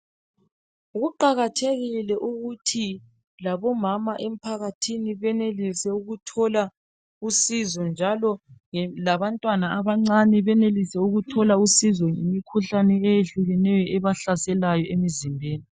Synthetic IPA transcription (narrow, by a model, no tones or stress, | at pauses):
uɣuǃaɣatʰeɣilɛʔuɣutʰi | laβɔmamaʔem̩pʰaɣatʰiniβɛnelisɛuɣutʰɔla | usizɔnd͡ʒʱalɔŋɛlaβantʼwanaaβaŋ͡ǀanɛβɛnelisɛuɣutʰɔlausizɔŋimikʰuɬanɛejeɬuɣɛnɛjɔʔɛβaɬasɛlajɔʔemizimbʱeːni